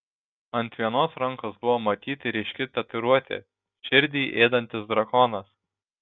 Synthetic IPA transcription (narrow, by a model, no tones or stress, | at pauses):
ɐnʲt̪ʲʋʲiɛnoːsɾɐŋkosbʊʋoːmɐt̪ʲiːt̪ʲɪɾʲɛɪʃʲkʲɪt̪ʲɐt̪ɪɾuɔt̪ʲḛː | ʃʲɪɾʲd̪ʲiːʔeːd̪ɐnʲt̪ʲɪsd̪ɾɐkɔːnɐs